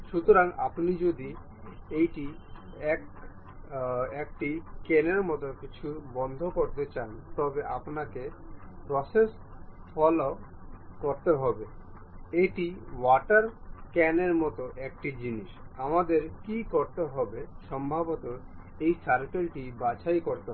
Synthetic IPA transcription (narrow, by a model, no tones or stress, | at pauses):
ʃut̪oɾaŋa̰pnid͡ʑod̪i | ejʈi | ɛk̚ | ek̚ʈikɛneɾmɔt̪okit͡ɕʰuɾbɔnd̪ʱokoɾt̪et͡ɕant̪ɔbeʔapnakepɾɔses | fɔlo | koɾt̪eɦɔbe | eʈiwaʈaɾkɛneɾmɔt̪oʔek̚ʈid͡ʑiniʃamad̪eɾkikoɾt̪eɦɔbeʃɔmbʱabot̪oɾ | ejsaɾkelʈibat͡ɕajkoɾt̪e